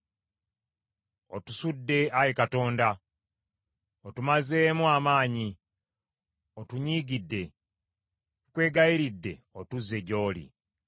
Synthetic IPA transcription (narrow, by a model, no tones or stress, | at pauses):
o̰tusudːe̞ajekato̞ːnda | otumaze̞ːmuamaːɲi | otuɲiːɡidːe̞ | kwe̞ːɡajiɾidːe̞otuzːe̞ɟo̞ːlḭ